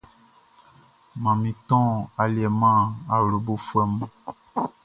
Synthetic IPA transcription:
mã˨mĩ˨tɔ̃˦˨a˨li˨ɛ˨mã˦˨a˨wlo˨bo˦fwɛ˦mu˦

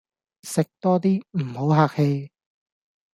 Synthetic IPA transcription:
sɪ˨k̚t̪ɔː˥t̪iː˥m̩˨˩ho˨˥wɦaː˧k̚he˧j

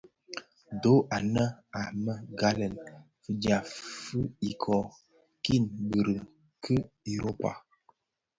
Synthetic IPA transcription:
do˨˦ʔa˨nə˦a˨mə˦ɡa˦lə˨n | fə˨dja˨fɨ˦i˨kʰɔ˨ | ki˦˨nbə˨ɾə˨ | kʰə˦ | e˨ɾo˦pa̰˨

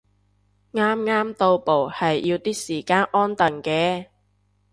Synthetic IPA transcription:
ŋaː˥mŋaː˥mt̪o˧wpo˨whɐ˨jjiː˧wt̪iː˥k̚siː˨˩kaː˧nʔɔː˥nt̪ɐ˨˩ŋkɛː˧

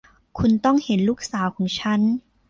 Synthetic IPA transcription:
kʰu˧nt̪ɔ˥˩ŋhe˩˦nluː˥˩k̚saː˩˦wkʰɔː˩˦ŋt͡ɕʰa˦˥n

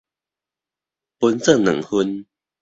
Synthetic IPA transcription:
pu˧˦nt͡sə˥˨nɨ̰˨˩ŋhu˦n

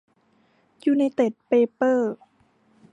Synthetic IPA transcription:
juː˧˩na˧jt̪e˨˩t̪̚peː˧pɤː˥˩

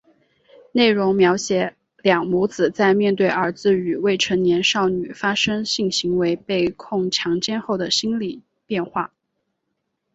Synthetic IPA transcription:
ne˥˩ɪɻʊ˧˥ŋmjɑ˧˥ʊɕjɛ˧˥ | ljɑ˨˩ŋmu˧˥t͡sɹ̩˨˩t͡sa˥˧ɪmjɛ˥˧nt̪̬we˥˩ɪə˞˧˥t͡sɹ̩˥˩y˨˩we˥˩ɪʈ͡ʂʰə˧˥ŋnjɛ˧˥nʂɑ˥˩ʊny˨˩fa˥ʂɤ˥ŋɕi˥˩ŋɕi˧˥ŋwe˧˥ɪpe˥˧ɪkʰʊ˥˩ŋʈ͡ʂʰjɑ˧˥ŋt͡ɕjɛ˥˧nxo˥˩ʊd̪ə˩ɕi˥nli˨˩˦ | pjɛ˥˧nxwa˥˩

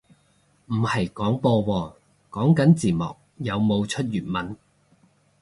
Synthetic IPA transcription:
m̩˨˩hɐ˨jkɔː˨˥ŋpɔː˧wɔː˧ | kɔː˨˥ŋkɐ˨˥nt͡siː˨˩mɔ̰ː˨k̚jɐ˨˧wmo˨˧wt͡ʃʰɵ˥t̚jyː˨˩nmɐ˨˥n

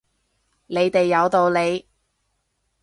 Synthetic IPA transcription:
le˨˧jt̪e˨jːɐ˨˧wt̪o˧wle˨˧j

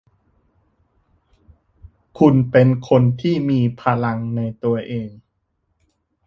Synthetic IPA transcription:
kʰu˧npe˧nkʰo˧nt̪ʰiː˥˩miː˧pʰa˧la˧ŋna˧jt̪u˧ɐʔeː˧ŋ

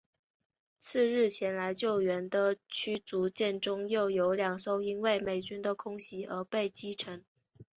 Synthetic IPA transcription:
t͡sʰɹ̩˥˧ɻɻ̩˥˩t͡ɕʰjɛ˧˥nla˧˥ɪt͡ɕjo˥˩ʊɥɛ˧˥nd̪ə˧t͡ɕʰy˥t͡su˧˥t͡ɕjɛ˥˩nʈ͡ʂʊ˥ŋjo˥˩ʊjo˧˥ʊljɑ˨˩ŋʂo˥˩ʊi˥nwe˥˩ɪme˨˩ɪt͡ɕy˥nd̪ə˨kʰʊ˥ŋɕi˧˥ʔə˞˧˥pe˥˩ɪt͡ɕi˥ʈ͡ʂʰə˧˥ŋ

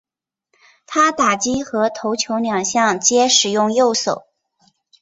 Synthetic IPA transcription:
t̪ʰa˥t̪a˨˩t͡ɕi˥xɤ˧˥t̪ʰo˧˥ʊt͡ɕʰjo˧˥ʊljɑ˨˩ŋɕjɑ˥˩ŋt͡ɕjɛ˥ʂɻ̩˨˩jʊ˥˧ŋjo˥˩ʊso˨˩˦ʊ

